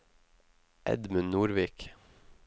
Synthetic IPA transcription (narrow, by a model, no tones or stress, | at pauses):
ʔɛ̰d̪mʉnnuːɾʋiːk